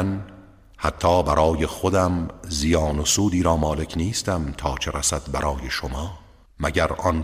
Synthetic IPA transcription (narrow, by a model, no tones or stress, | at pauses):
n | hæt̪ʰːɒːbæɾʔɒːjexod̪æmzijɒːnosuːd̪iːɾɒːmɒːle̞cʰniːst̪æmt̪ʰɒːt͡ʃʰeɾæsæd̪bæɾʔɒːje̞ʃomɒː | mæɟæɾʔɒn